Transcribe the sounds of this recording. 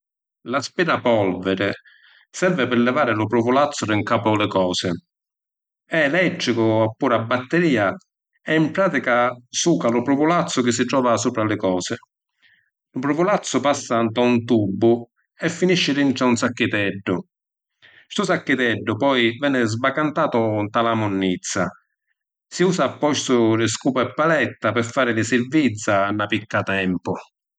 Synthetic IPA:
laspiːɾapɔlvɛɾɪ | sɛɾvɪpɪɾlɛvaːɾɪlʊpɾʊvʊlat̪sːʊɾɪŋkaːpʊlɪkɔːsɪ | ɛlɛtːɾɪkʊapːuːɾabːat̪ːɪɾiːa | ɛimpɾaːt̪ikasuːkalʊpɾʊvʊlat̪sːʊk̟ɪs̬ːɪt̪ɾɔːvasuːpɾalɪkɔːsɪ | lʊpɾʊvʊlat̪sːʊpasːant̪ɔunt̪ubːʊ | ɛfːiniʃːɪɾiɳʈ̪ɾaunsakːɪt̪ɛɖːʊ | st̪ʊsakːɪt̪ɛɖːʊpɔjvɛːnɪzbakant̪aːt̪ʊnt̪alamʊnːit̪sːa | siuːsapːɔʃt̪ʊɾɪskuːpɛpːalɛt̪ːapɪɾfːaːɾɪlɪsɪɾvit̪sːaːnːapikːat̪ɛmpʊ

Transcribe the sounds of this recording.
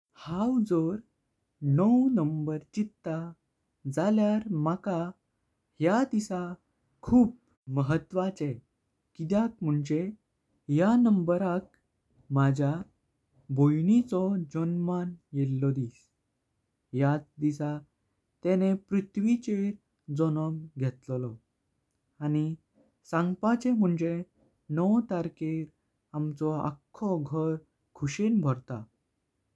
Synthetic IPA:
hawd͡zɔɾ | nəwnəmbəɾt͡ɕit̪ːa | d͡zaljaɾmaka | hjad̪isa | kʰuːp | məɦət̪ːʋat͡se | kid̪jak̚m̤uɳd͡ʑe | ɦjanəmbəɾak̚ | mad͡ʑʱa | bojnit͡sɔd͡ʑɔnmanjelːɔd̪is | jat͡sd̪isa | t̪enepɾit̪ʰʋit͡ɕeɾ | d͡zɔnəmɡʱet̪llɔ | añi | sãŋɡpat͡ɕem̤əɳd͡ʑe | nɔwt̪aɾkeɾ | amt͡sɔa̰kʰːɔɡʱəɾ | kʰuɕenbʱɔɾt̪a

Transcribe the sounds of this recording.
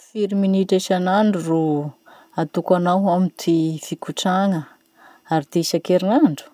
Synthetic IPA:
fiɾiminiʈ͡ʂeʃanaɳɖ͡ʐuru | at̪ukanawamit̪ʰifikuʈ͡ʂaŋə | aɾid̪̥esakeɾinaɳɖ͡ʐu̥

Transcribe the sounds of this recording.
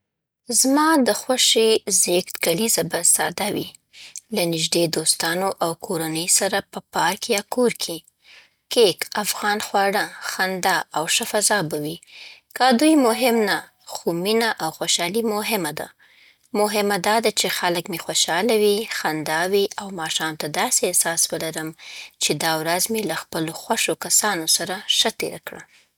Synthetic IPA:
zmɑd̪əxwaʃizekt̪kalizabasɑ̰d̪awḭ | lanɪʒd̪ed̪ost̪ɑnoʔawkʰoɾanəjsaɾapəpɑɾkejɑkoɾkʰi | kekafɣɑnxwɑɽaxand̪aʔawʃafazɑbawikad̪ujmʊɦɪmna | xominaʔawxoʃɑlimʊɦɪmad̪a̰ | mʊɦɪmad̪ɑd̪at͡ʃexaləkmexwoʃɑlawixand̪ɑwiʔawmɑʃɑmt̪ad̪ɑseehsɑswəlaɾəmt͡ʃed̪ɑwɾazmelaxpəloxwaʂokasɑnosaɾaʃət̪ḛɾakɽa̰

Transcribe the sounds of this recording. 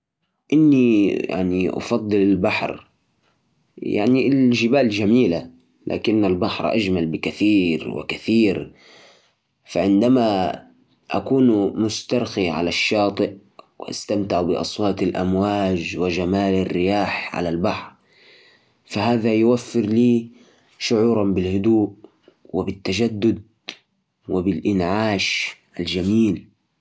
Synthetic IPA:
ʔɪnːija̰ʕniʔɑ̰fɑd̪ˤːɨlɪlbaħɾ | ja̰ʕnilʒɪbaːld͡ʒamiːla | lʔa̰ːkɪnːalbaħɾˤʔa̰d͡ʒmalbɪkaθiːɾwɪ̰kaθiːɾ | faʕɪnd̪ama | ʔakuːnmʊst̪ɑɾˤxiʕa̰laʃːɑːt̪ˤɨʔ | wɪ̰ʔa̰st̪amt̪ɪʕbɪʔɑ̰sˤwɑːt̪alʔa̰mwaːd͡ʒwɪd͡ʒamaːlarːɪjaːħʕa̰lalbaħɾˤ | fahaːðajwafːɪɾliː | ʃʊʕuːɾˤɑnbɪlhʊd̪uːʔ | wɪbɪt̪ːaʒad̪ːʊd̪̚ | wɪbɪlʔɪnʕaːʃʔald͡ʒamiːl

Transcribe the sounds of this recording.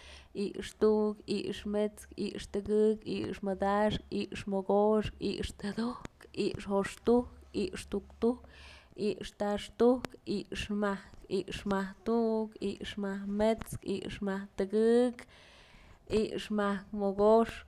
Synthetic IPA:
iʔʂt̪uʔkḭʔʂmet͡skḭʔʂt̪ɨɡɨkḭʔʂmɨd̪aʂkiʔʂmoɡoʂkḭʔʂt̪ad̪okḭʔʂhoʂt̪uhkiʔʂt̪ukt̪uhkiʔʂt̪aʂt̪ukiʔʂmahkiʔʂmaht̪uʔkiʔʂmahmet͡skḭʔʂmaht̪ɨɡɨk | iʔʂmahkmoɡoʂ

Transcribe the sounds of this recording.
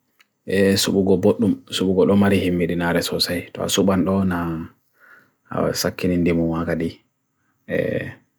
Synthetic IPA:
ʔɛsuɓuɡɔboɗːumsuɓuɡɔɗɔmaɾihimːiɗinaɾɛsɔsajtɔ̰a̰suɓanɗɔna | a̰sakːinindimunwakadi | ʔɛ̰

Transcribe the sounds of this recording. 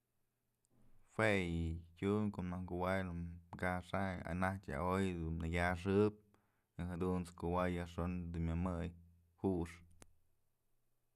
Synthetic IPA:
hwejikʲuŋkoʔnakuwajnukaʂaa̰nat̪ʲa̰ojd̪unnaɡʲaʂ̬ɨp̚ | eɦad̪unt͡skuwajaʂond̪umʲamɨj | huʔʂ

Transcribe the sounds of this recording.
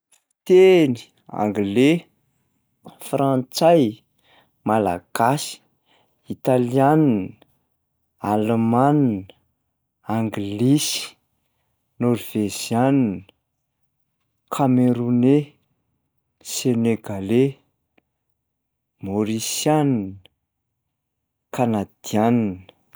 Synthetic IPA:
t̪eni̥ | a̰ŋɡle | fɾãnt͡saj | mala̰ɡ̥asi̥ | it̪aliann | almannə | aŋɡlisi̥ | noɾv̥ezijannə | kʰameɾune | seneɡale | moɾisjannə | kanad̪̥ianinə̥

